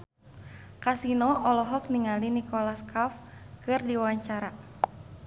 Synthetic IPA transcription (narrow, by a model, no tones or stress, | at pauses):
kasinɔɔlɔɦɔk̚niŋalinikɔlaskafkɨrdiwaɲt͡ʃaɾa